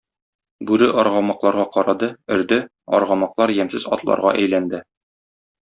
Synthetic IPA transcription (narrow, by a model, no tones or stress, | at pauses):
bʉɾɘʔɒɾʁɑmɑqlˠɑɾʁɑqɒɾɑd̪ɤɵ̆ɾd̪ɘ | ɒ̰ɾʁɑmɑqlˠɑɾjæmsɘzɒ̰t̪lˠɑ̰ɾʁɑ̰ʔæjlænd̪ɘ